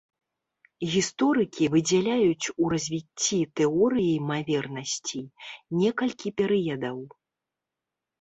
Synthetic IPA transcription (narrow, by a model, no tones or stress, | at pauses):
ɣʲist̪ɔɾɨkʲivɨd͡zʲɛlʲajut͡sʲurɐzʲvʲit͡sʲːit̪ɛɔɾɨjɐjmavʲɛrnɐsʲt͡sʲinʲɛkɐlʲkʲipʲɛɾɨjɐd̪ɐw